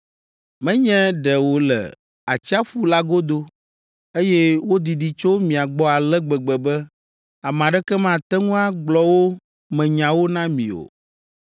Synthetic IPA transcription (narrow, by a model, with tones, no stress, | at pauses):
mɛ̃˦ɲɛ̃˦ɖɛ˨wo˨lɛ̰˨ | a˨t͡ɕi˦a˦ɸu˦la˦ɡo˦d̪o˦ | e˦jɛ˦wo˦d̪i˨ɖi˨t͡ʃo˦mĩ˨a˨ɡ͡bɔ˦a˨lɛ˦ɡ͡bɛ˨ɡ͡bɛ˨bɛ˦ | a˨mã˨ɖɛ˦kɛ˦mã˦˨t̪ɛ˦ŋũ˦a˦ɡ͡blɔ˨wo˦ | mɛ̃˨ɲã˨wo˦nã˦mḭ̃˨o̰˨